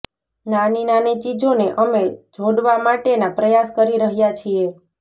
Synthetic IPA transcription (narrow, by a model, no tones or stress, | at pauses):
naninanet͡ʃid͡ʒoneʔəmed͡ʒʱoɽʋamaʈenapɾəjaskəɾiɾəɦjat͡ʃʰie